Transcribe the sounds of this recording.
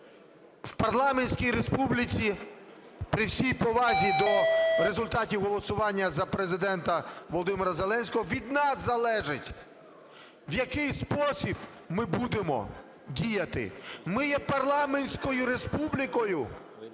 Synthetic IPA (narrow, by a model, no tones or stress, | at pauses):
wpɐrlˠɑmenʲsʲkʲijɾespublʲɪt͡sʲi | pɾɪwsʲijpɔʋɑzʲid̪ɔɾe̞zʊlʲt̪ɑtʲiwɦɔlˠɔsʊʋɑnʲːɐzɐpɾe̞zɪd̪ɛnt̪ɐʋɔlˠɔd̪ɪmeɾɐzelˠɛnʲsʲkɔɦɔʋʲid̪nɑsːɐlˠɛʒɪtʲ | wjɐkɪjspɔsʲib | mɪbud̪emɔ̰ | dʲijɐt̪ɪ̰mɪjɛpɐrlˠɑmenʲsʲkɔjʊɾe̞spublʲɪkɔjʊ